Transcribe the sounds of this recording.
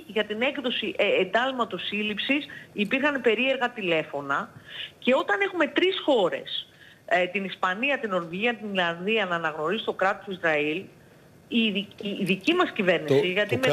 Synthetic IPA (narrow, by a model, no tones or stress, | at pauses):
ʝɐt̪ine̞kðo̞siʔend̪ɐlmɐt̪o̞silipsisipiɾxɐnpe̞ɾie̞ɾɣɐt̪ile̞fo̞nɐce̞o̞t̪ɐne̞xume̞t̪ɾisxo̞ɾe̞̰s | t̪inispɐniɐt̪ino̞ɾviʝiɐt̪inlɐnðiɐnɐːnɐɣno̞ɾizit̪o̞kɾɐt̪osizɾɐil | iðicimɐscive̞ɾnisiʝɐt̪ime